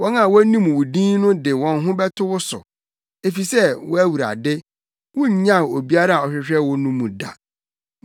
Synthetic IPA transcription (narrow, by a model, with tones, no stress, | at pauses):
wɔ̃˦nã˨wɔ˦æ˦nĩ˦m˨wʊ˨dĩː˦nnʊ̃˦dɪ˨wɔ̃˨nɦʊ̃˦bɛ˦tʰʊ˦wʊ˦sʊ̰˨ | e˨fi˨sɛ˦wʊ˦æ˦wu˨ɾa̰˨dɪ˦ | wʊ̃˦ɲ̩˨ɲã˦˨o˨bi˦a˦ɾa˦˨ɔ˨ɕᶣɪ˨ɕᶣɛ˦wʊ˦nũ˦mːũ˨da̰˨